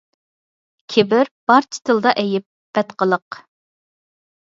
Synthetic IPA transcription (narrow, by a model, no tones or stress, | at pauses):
kʲʰebɪɾb̥ɑɾt͡ʃʰɪ̥t̪ʰɨlˠd̪ɑʔɛjɪp̚b̥ɛt̪qəlˠəq